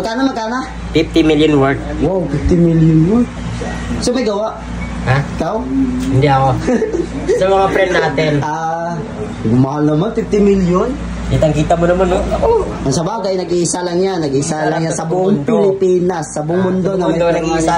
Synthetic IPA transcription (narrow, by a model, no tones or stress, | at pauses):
mɐɡkaːnɐmɐkanɐ | fif̚t̪ɪmiljonwɛd̪̚ | wawfɪft̪ɪmiljʊnwo | somɐjɡɐwaʔ | haɪkawɪnd̪ɛɐko | sɐmɐŋapɾɛnnaːt̪ɪnʔa | ɡumɐhalnɐmanfif̚t̪ɪmiljon | kit̪ɐŋkiːt̪ɐmonɐmanoʔoʔɐŋsɐbaɡɐjnɐɡiʔsalɐŋɲanɐɡiʔsalɐŋɲasɐbʊʔʊŋpɪlɪpiːnɐsːɐbʊŋmʊnd̪onɐmɐɡɐwanɐɡisa